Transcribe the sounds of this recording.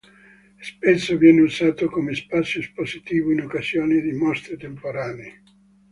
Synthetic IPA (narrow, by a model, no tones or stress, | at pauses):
spesːovjɛːneuzaːt̪okomespat̪sːjospozit̪iːvoinokːazjoːned̪imɔst̪ɾet̪empoɾaːneeː